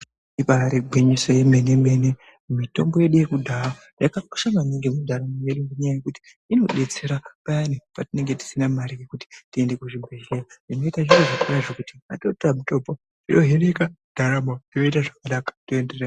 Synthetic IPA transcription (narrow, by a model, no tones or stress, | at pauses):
ipaɾiɡ͡bʱiɲisojeme̞neme̞ne | mito̞mbo̞je̞ɗuje̞kudʱaa | jakaku̥ʃamaneŋɡemudʱaɾamojeɗunɡeɲajajekuti̥ːno̞ɗe̞t͡se̞ɾapajanipatine̞ŋɡe̞ti̥sinamaɾikekuti̥tie̞nde̞kuʐibʱeʒeaino̞itaʐiroʐakuraʐekutia̰totamutoːpo | tinoɦeɾeka | d̥ʱaɾamodino̞itaʐakanakḁtoendere